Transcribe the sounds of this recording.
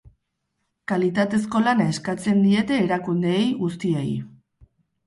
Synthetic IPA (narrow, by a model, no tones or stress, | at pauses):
kalit̪at̪e̞s̬ko̞lanae̞skat͡se̞nd̪ie̞t̪e̞ːɾakund̪eːjɣust̪iḛj